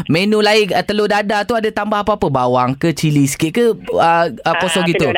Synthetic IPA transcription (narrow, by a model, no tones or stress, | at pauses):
mẽnũlaɪkət̪əlodadat̪uadat̪ambaɦapaapəbawaŋkət͡ʃilisə̥kɪʔ̚kəəəkosɔɡit̪u